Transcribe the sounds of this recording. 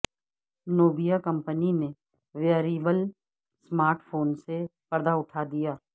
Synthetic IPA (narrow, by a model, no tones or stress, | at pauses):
noːbijakɐ̃mpənine | ʋjəɾiːbəl | smaːɾʈfʰoːnsepɐɾd̪aʊʈʰaːd̪ijaː